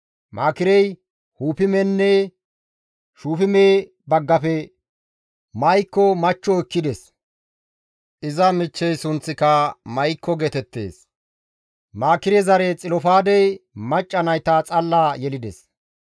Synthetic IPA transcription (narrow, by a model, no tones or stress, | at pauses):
mʔaːkɪɾɛj | huːpɪmɛnːɛ | ʃuːfɪmeː | bɐɡːɐpɛ | mɐjkːɔmɐt͡ʃːɔkːɪd̪ɛs | ʔɪzɐmɪt͡ʃːɛjsʊnt͡sːɪkɐmɐjkːɔɡɛt̪ɛt̪ːe̞̰ːs | maːkɪɾɛzɐɾɛt͡sʼɪlɔfaːd̪ɛjmɐt͡ʃʼːɐnɐjt̪aːt͡sʼɐlːaːjɛlɪd̪ɛ̰s